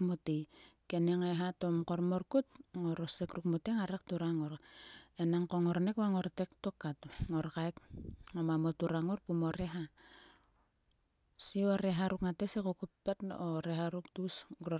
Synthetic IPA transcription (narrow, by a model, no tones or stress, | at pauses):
motekeneŋeɦatomkormorkut̚ŋoɾosekrukmoteŋaɾektuɾaŋoɾenaŋkoŋoɾnekβaŋoɾtektokːatŋoɾkaekŋomamotuɾaŋorpumoɾeɦa | sioɾeɦaɾukŋatesekokupːetnoɾeɦaɾuktusɡɾo